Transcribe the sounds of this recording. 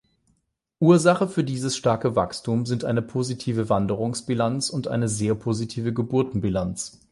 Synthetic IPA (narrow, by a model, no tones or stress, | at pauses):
ʔuːɐzaχəfyːɐdiːzəsʃtaɐkəva̰kstʰuːmzɪntʔa̰ɪnəpʰoːzitʰiːvəvandəʁ̞ʊŋsb̥ilant͡sʊntʔa̰ɪnəzeːɐpʰozitʰiːvəɡəbʊɐtn̩bilant͡s